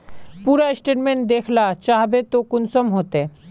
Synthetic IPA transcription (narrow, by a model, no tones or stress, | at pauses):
puːɾaɪsʈeːʈmẽːɳʈ̚d̪eːkʰlat͡ʃaːɦbet̪okʊnsəmɦoːt̪eː